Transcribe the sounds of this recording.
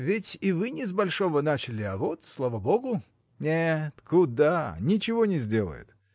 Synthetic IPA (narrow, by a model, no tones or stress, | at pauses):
vʲɪtʲɪvɨnʲɪzbɐlʲʂo̞vənat͡ɕɪlʲɪɐvot̪slˠavəboɡʊ | nʲet̪kud̪anʲɪt͡ɕɪvonʲɪzʲdʲelˠə̰jʊ̰t̪